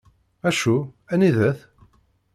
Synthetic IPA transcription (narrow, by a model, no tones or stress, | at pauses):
æʃuæniðæθ